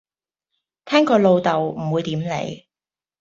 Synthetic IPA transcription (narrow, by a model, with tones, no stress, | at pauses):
t̪ʰɛː˥ŋkɔː˧lo˧wt̪ɐ˨wm̩˨˩wuː˨˧jt̪iː˨˥mlḛ˨˧˩j